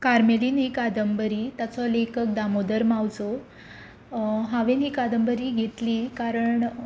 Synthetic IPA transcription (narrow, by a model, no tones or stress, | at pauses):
kaɾmeliːnɦikad̪əmbəɾiːt̪jat͡sɔlekʰək̚d̪amod̪əɾmawt͡so | ɦaʋenɦiːkad̪əmbəɾiːɡʱet̪liːkaɾəɳ